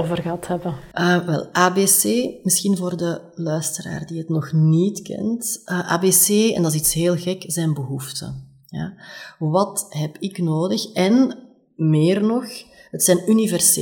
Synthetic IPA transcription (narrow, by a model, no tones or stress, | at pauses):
oːvərɣəɦɑthɛbəʔəːʋɛ̰lˠʔaːbeːseːmɪsxinvoːrdə | lœːɥstəɾa̰ːrdiɦətnɔxnitkɛ̰ntəʔa̰ːbeːseːɛ̰ndɑsitsɦeːlˠɣɛkzɛjnbəɦuftə̰ | ja̰βɑtɦɛpɪknoːdəxɛn | meːrnɔxɦətsɛjnynivɛrs